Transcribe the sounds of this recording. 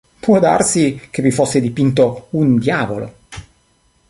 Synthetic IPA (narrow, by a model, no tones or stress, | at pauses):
pwɔd̪a̰rsik̟evifosːed̪ipint̪̬ound̪jaːvolo̰